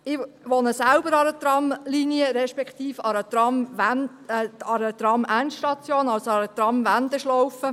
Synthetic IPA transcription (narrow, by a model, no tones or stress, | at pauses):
ɪʋonəsælbəɾɑɾət̪ɾɑmliniəɾɛʃpɛkt̪iːfɑɾət̪ɾɑmn | ɑɾət̪ɾɑmʔæntʃtɑt͡sjoːnɑlsoɑɾət̪ɾɑmʋænd̪əʃlɔwfə